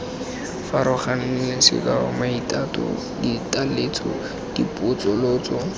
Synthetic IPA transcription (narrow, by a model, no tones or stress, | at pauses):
faɾʊχan̩lɪsɪ̰kaʊ̰maitʼatʼɔ̰ | ditʼalet͡sʰɔ̰ | d̥ipʼʊt͡sʼʊloːt͡sɔ